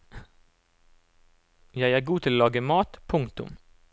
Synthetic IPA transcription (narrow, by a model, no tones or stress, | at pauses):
jæɪæːɡuːt̪ʰɪloːlɑːɡəmɑːt̪pʰʊŋt̪ʊ̰m